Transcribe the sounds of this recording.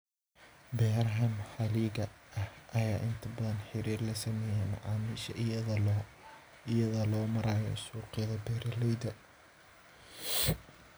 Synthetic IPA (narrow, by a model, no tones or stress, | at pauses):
bɛːrɦɐmħɐliːɡɐʔɐhʔɐjaːʔɪnt̪ʰɐbɐðɐnħɪɾiːrlɐsɐmɛːjɛmʊ̰ʕɑːmiʃɐ̰ʔ | ɪjɐðɐlɔːmɐɾaːjɔ̰suːqɪðɐbɛːɾɐlɛjd̪ɐ